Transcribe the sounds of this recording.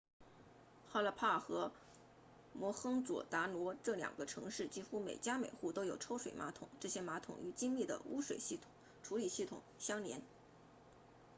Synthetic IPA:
xa˥˧lə˥˧˩pʰa˥˩xɤ˧˥ | mwɔ˧˥xɤ˥ŋt͡swɔ̰˨˩t̪a˧˥lwɔ˧˥ʈ͡ʂɤ˥˩ljɑ̰˨˩ŋɡə˦ʈ͡ʂʰɤ˧˥ŋʂɻ̩˥˩t͡ɕi˥xu˥me˨˩ɪt͡ɕja˥me˨˩ɪxu˥˩t̪o˥ʊjo˨˩ʊʈ͡ʂʰo˥ʊʂwe˨˩ɪma̰˧˥t̪ʰʊ̰˨˩˦ŋʈ͡ʂɤ˥˩ɕjɛ˥ma˧˥t̪ʰʊ̰˨˩ŋy˧˥t͡ɕi˥ŋli˥˩d̪ə̰˩ṵ˥ʂwe˨˩ɪɕi˥˩ŋ | ʈ͡ʂʰu˧˥li˨˩ɕi˥˩t̪ʰʊ̰˨˩˦ŋɕjɑ˥ŋljɛ̰˧˥n

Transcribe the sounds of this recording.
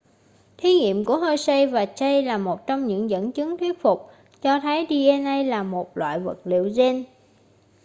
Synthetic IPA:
t̪ʰi˨˦ŋḭ˧˨əmku˧˩əhəː˧jsə˧jvaː˨˩t͡ɕə˧jlaː˨˩mo˨˩t̚t͡ɕɔ˧wŋ͡mɲɨ̰˧˥ŋzə̰˧˥nt͡ɕɨ˨˦ŋt̪ʰwi˦˥ət̚fʊ˨˩k͡p̚ | t͡ɕɔ˧t̪ʰəː˨˦jɗi˧ʔɛ˧nʔə˧jlaː˨˩mo˨˩t̚lwa̰ː˧˨jvə̰˨˩t̚lḭ˧˨əwze˧n

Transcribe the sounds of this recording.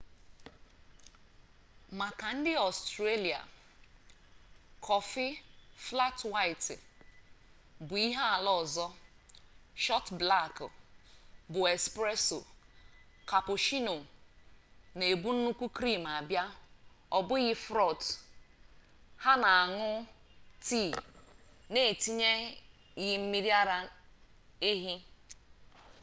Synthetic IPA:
ma˨ka˨n̩˦dɪ˦ɔ˨stɾe˦li˨a̰˨ | kʰɔ˨fɪ˦fla˦twa˦ɪ˨tɪ̰˨ | bʊ˨i˦ɦa˦a˨lɔ˦˨zɔ˦ | ʃɔ˦tbla˦˨kʊ˨ | bʊ˨e˨spɾe˦so̰˨ | ka˨pʊ˨ʃi˦no˨ | ne˨bu˦n̩˦nu˦kʷu˦kɾi˦˨m˨a˨bja˦ | ɔ˨bʊ˦ɣɪ˦fɾɔ˦˨t | ha˦na˨a˨ŋʊ˦ti˦˨ | ne˨ti˦ɲe˦ | jɪ˦m̩˦mi˦ɾja˦ɾa˦ | e˦ɦi˦

